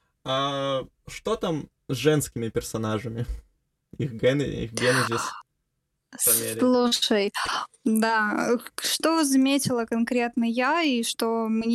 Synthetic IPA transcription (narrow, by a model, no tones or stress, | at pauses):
a | ʂt̪ot̪am | zʐɛnskʲɪmʲɪpʲɪrsɐnaʐɨmʲɪ | ixɡɛn̰ḭxɡʲenəzʲɪs | sʲlˠuʂəjd̪a | ʂt̪ozɐmʲetʲɪlˠəkɐnkɾʲe̞t̪nəjaiʂt̪omnʲ